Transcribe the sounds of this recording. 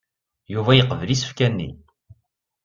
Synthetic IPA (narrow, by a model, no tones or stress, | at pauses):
juvæjəqːəvlisə̥fkænːḭ